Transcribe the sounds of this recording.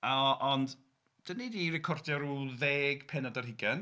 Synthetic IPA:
aʔɔnd | d̥ənidirɛkʰɔrdjaɔɾuðeːɡ̥pʰɛnadarɦɪɡɛn

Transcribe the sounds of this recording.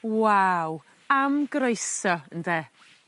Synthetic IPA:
waw | amɡɾoɨsɔəndɛ

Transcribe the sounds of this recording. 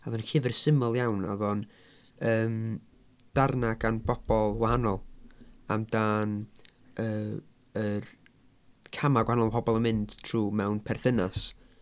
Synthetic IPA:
aðɔnkɪvɛrsɪməlˠjawna̰ðɔn | əːm | d̥arnaɡanbɔb̥ɔlˠwahanɔlˠa̰mdaːn | əː | ər | kʰamaɡwahanɔlˠpʰɔbɔlˠəmɪnd̥tʰruːmɛwnpʰɛrθɪnas

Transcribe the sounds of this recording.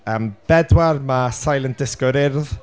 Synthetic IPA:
əːmb̥ɛdwarmasajlˠənd̥ɪskɔɾɪrð

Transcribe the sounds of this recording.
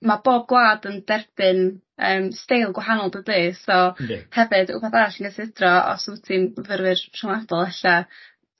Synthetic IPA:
maboːb̚ɡwlˠaːdənd̥ɛrb̥ɨn | əːmstejlˠɡwaɦanɔlˠdəbeːsɔhɛvɨd̥ṵbaθaɾaɬənɡəsʰɪdrɔɔ̰sutʰimvərvɨrtʰɪwnadɔlˠɛɬa

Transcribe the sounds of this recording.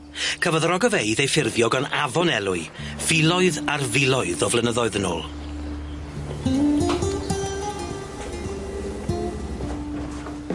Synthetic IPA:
kʰəvɔðrɔɡəvejðejfɪrðjɔɡɔnavɔnɛlˠʊɨ | v̥ɪlˠɔɨðarvɪlˠɔɨðɔvlənəðɔɨðəno̰ːlˠ

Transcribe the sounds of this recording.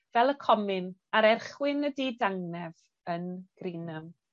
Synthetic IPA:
vɛlˠəkʰɔmɪnaɾɛrχwɪnədidaŋnɛv | ənɡ̥riːnəm

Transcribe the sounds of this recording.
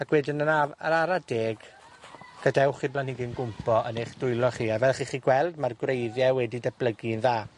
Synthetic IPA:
akwɛdɪnənaə̰ɾaɾadeːɡ | ɡ̥ədɛwχiblanhiɡɪnɡʊmpʰɔʔənejχd̥ʊɨlˠɔχiːavɛlˠχiːχiːɡwɛlˠdmarɡwrejðjɛwɛdidɛb̥lˠəɡinðaː

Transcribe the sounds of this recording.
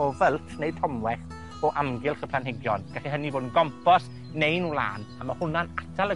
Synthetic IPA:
ɔvəlˠtʰnejtʰɔmwɛχ | ɔʔamɡɪlˠχəpʰlˠanɦɪɡjɔnɡ̥aɬiɦəniboːdn̩ɡɔmpʰɔs | nejnulˠa̰ːnamahʊnanatʰalə

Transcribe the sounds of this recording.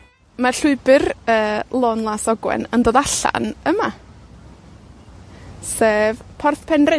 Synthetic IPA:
marɬʊɨbɨrəːlˠɔːnlˠasɔɡwɛ̰nəndoːðaɬa̰nəma | seːvpʰɔrθpʰɛnrɛ

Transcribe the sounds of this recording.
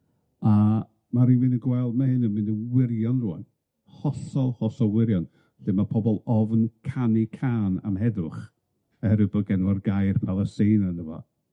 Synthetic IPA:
a | maɾimɪnəɡwɛlˠdmahɨnəmɨndənwɪrjɔnrua̰n | hɔɬɔlˠhɔɬɔlˠwɪɾjɔn | ɬɪmapʰɔbɔlˠɔvnkʰanikʰaːna̰mɦɛdʊχ | əɛɾɨbɔɡɛnɔrɡajrpʰavasɨːnanəvɔ̰

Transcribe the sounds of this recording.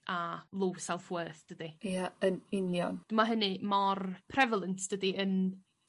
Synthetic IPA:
alˠowsɛlˠfwəːθd̥ədijaənɪnjɔnd̥əmaɦənɨmɔrpʰrɛvalˠəntd̥ədiən

